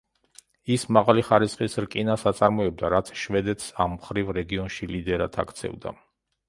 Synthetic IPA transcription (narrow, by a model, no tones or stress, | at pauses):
ismaʁaliχaɾisχʼisɾkʼinasat̪sʼaɾmɔɛb̚d̪aɾat̪sʰʃvɛd̪ɛt̪ʰsamːχɾivɾɛɡiɔnʃilid̪ɛɾat̪ʰa̰kʰt̪sʰɛ̰vd̪a̰